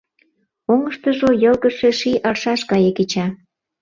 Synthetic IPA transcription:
oŋəʃt̪ə̆ʒojɤlɣəʃeʃiʔɑlʃɑʃkɑjeket͡ɕɑ

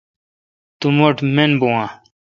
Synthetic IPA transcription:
t̪umoʈmenbuwã

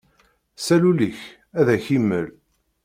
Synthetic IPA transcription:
sæluliç | æðæçimːə̰l

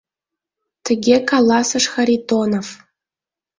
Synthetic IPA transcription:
t̪ɘ̆ɡʲekɑlˠːɑsɤ̆ʂxɑɾʲit̪onof

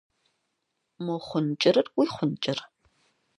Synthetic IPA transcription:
moχʷʊnt͡ʃʼɪɾɨrwiːχʷʊnt͡ʃʼɪr

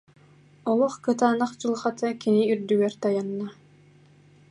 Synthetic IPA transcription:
ɔlˠɔχkɯt̪aːnaχd͡ʑɯlˠχat̪akiniyɾd̪yɡɛɾt̪ajanːa

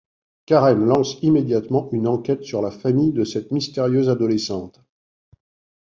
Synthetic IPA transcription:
kaʁɛmlɑ̃simed̪jat̪mɑ̃ynɑ̃kʲɛt̪syʁlafamijd̪əsɛt̪mist̪eʁjøzad̪ɔlesɑ̃t̪

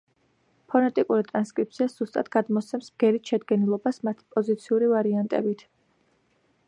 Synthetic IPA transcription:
pʰɔnɛt̪ʼikʼuɾit̪ʼɾanskʼɾip̚t̪sʰiasz̥ust̪ʼat̪ɡad̪mɔt̪sʰɛmsmɡ̥ɛɾiʃɛd̪ɡɛnilˠɔbasmat̪ʰi̥pʼɔzit̪sʰiuɾivaɾiant̪ʼɛ̰bit̪ʰ

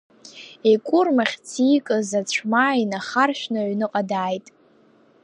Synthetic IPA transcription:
ekʷʼʊrmaχʲt͡sʰiːkʼɨzat͡ɕʷʰmainaχarʃᶣnaɥnɨqʼadaːjtʼ

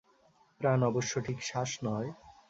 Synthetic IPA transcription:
pɾanɔboʃːoʈʰikʃaʃnɔe

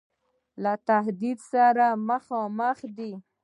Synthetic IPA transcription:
lat̪ahd̪id̪saɾaməxɑməxd̪i

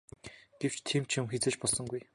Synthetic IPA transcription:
ɡ̥ew̥t͡ɕt̪ʰiːmt͡ɕʰʊmxet͡seːt͡ɕpɔɮsɞ̆ŋɡuj

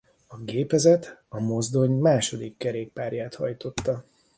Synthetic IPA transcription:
ɒɡeːpɛzɛt̪ɒmo̞zd̪o̞ɲmaːʃo̞d̪ikːɛɾeːk̚paːɾjaːt̪hɒjt̪o̞t̪ːɒ

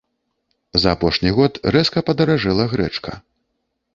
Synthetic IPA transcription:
zɐːpɔʂnʲiɣɔt̪ɾɛskɐpɐd̪ɐɾaʐɛlˠɐɣɾɛ̰t͡ʂkʰɐ̰

